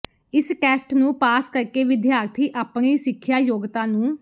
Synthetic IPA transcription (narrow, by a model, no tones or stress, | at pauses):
ɪskɛːsʈnũːpaːskəɾkeːʋɪd̪jaːɾt̪ʰiːʔaːpɳiːsɪkʰːjaːjoːɡt̪ãːnũː